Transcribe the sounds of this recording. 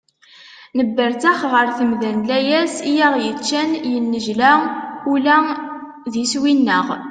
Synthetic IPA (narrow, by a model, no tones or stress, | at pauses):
nəbːəɾt̪æχʁəɾθəmðænlæjæsijæʁjət͡ʃːænjənːəʒlæulæ | ðiswinːəʁ